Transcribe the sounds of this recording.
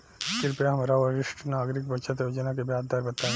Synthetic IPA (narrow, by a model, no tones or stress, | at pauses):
sɪɾpeɦɐmɾaʋɐɾɪʃʈʰnaːɡɾɪkbɐːʃʰət̪od͡ʒənak̬ebjaːd̪d̪aːɾbɐt̪aːẽ